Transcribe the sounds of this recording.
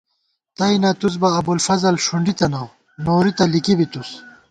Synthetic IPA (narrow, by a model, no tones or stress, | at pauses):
t̪ɐinɐt̪uz̬bɐːbulfɐzɐlʂuɳɖit̪ɐnɐw | noːɾit̪ɐlikibit̪us